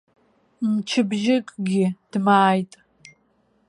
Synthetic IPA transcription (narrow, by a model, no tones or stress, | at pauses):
mt͡ʃʰɨbʒɪkʼɡʲɪd̥maːjtʼ